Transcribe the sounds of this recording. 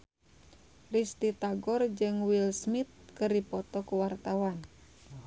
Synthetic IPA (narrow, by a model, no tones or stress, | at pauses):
rist̪it̪aɡɔrd͡ʒɨŋwilsmit̪̚kɨrdipɔt̪ɔkuwart̪awan